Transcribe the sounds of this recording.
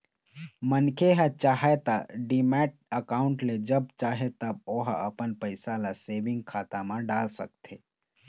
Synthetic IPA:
mənkʰeɦət͡ʃaɦet̪aɖimɛʈ̚əkaʊɳʈled͡ʒəb̚t͡ʃaɦet̪əboɦəpənpəɪsalasebĩŋɡkʰat̪amãɖalsəkt̪ʰe

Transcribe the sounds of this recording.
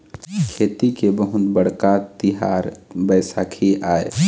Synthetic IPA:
kʰeːt̪ikebəɦʊt̪bəɽ̤kat̪iɦaːɾbəːsakʰiaːe

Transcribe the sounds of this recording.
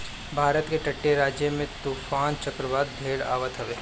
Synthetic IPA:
bʱaːɾət̪keʈɐʈːeɾaːd͡ʒjəmẽt̪uːfaːnt͡ʃɐkɾəʋaːd̪̚b̪ʱeːɽa̰ːʋət̪ɦɐʋeː

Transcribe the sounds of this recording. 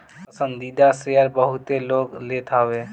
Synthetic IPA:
pəsə̃nd̪id̪aseɦəɾbəɦʊt̪eloːɡlet̪ʰaːʋeː

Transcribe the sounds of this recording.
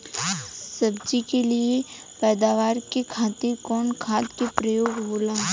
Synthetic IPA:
sɐbd͡ʒikelie | pɛːd̪aːʋaːɾkekʰaːt̪ekɔːnkʰaːt̪kepɾəjoːɡboːlãː

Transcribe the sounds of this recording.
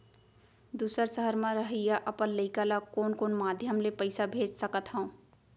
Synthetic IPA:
d̪usəɾsəɦəɾmãɾəɦəjaʔəpənləɪkalakoːnkoːnmad̪ʱjəmlepəɪsabʱed͡ʒsəkət̪ɦəũ

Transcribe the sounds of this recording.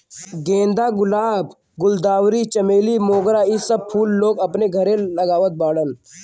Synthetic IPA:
ɡẽːnd̪aɡʊlaːb | ɡʊld̪aːwɾit͡ʃɐmeːlimoːɡɾaisəb̚pʰuːlːoːɡɐpneɡʱɐɾẽlɐɡaːʋət̪̚baːɽən

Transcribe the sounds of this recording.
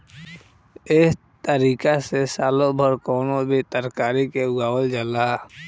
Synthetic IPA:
ɪs | t̪əɾiːkasesaːlobʱəɾkoːnobʱit̪əɾkaːɾikeʊɡaːwəld͡ʒəla

